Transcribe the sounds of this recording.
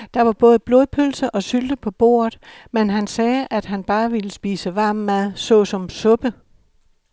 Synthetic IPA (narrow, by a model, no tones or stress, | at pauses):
d̥ɑ̈ʋɑ̈b̥ɔ̽ːð̩ˠb̥lo̝pʰølsəʔɒ̽syld̥əpʰɒ̽b̥o̝̰ːɐð̩ˠ | menɦænsɛːæd̥ɦænb̥ɑ̈ːʋiləsb̥iːsəʋɑ̈ːmːæðˠsɔ̽sɒ̽msɔ̽b̥ə